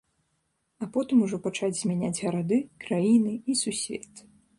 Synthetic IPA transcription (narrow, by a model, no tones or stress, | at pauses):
apɔt̪ɨmuʐɔpat͡ʂad͡zʲzʲmʲanʲad͡zʲɣɐɾad̪ɨkɾajinɨisusʲvʲɛ̰t̪